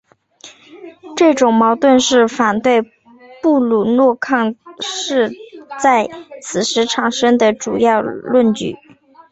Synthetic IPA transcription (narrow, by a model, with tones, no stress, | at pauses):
ʈ͡ʂɤ˥˩ʈ͡ʂʊ˨˩ŋmɑ˧˥ʊt̪wə˥˧nʂɻ̩˥˩fa˨˩nt̪we˥˧ɪ | pu˥˩lu˨˩nwɔ˥˧kʰɑ˥˧ŋʂɻ̩˥˧t͡sa˥˩ɪt͡sʰɹ̩˨˩ʂɻ̩˧˥ʈ͡ʂʰɑ˨˩ŋʂɤ˥ŋd̪ə˨ʈ͡ʂu˨˩jɑ˥˧ʊlwə˥˩nt͡ɕy̰˨˩˦